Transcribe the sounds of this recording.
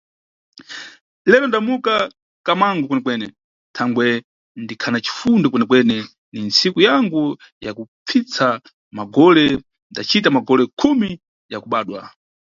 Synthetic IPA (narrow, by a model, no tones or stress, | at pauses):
lɛlɔndamuka | kamaŋɡɔkwɛnɛkwɛnɛ̰ | tʰaŋɡwɛ | ndikʰanat͡ʃi̥fundɔkwɛnɛkwɛnɛ | nint͡sikujaŋɡu | jakup͡fʰit͡sa | maɡɔlɛ | ndat͡ʃitamaɡɔlɛkʰumi | jakuɓaːɗwa̰